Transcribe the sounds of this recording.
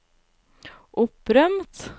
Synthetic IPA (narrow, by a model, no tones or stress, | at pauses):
ʔɵpːɾœmt̪